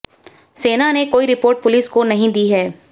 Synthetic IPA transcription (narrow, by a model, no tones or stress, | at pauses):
seːnanekoːiɾɪpoːɾʈ̚pʊliskonɐɦĩd̪iːɦɛː